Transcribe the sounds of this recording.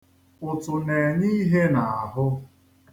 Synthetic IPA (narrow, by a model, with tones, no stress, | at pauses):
ʊ˨tʊ˨ne˨ɲi˦ɦe˦na˨a˨ɦʊ˦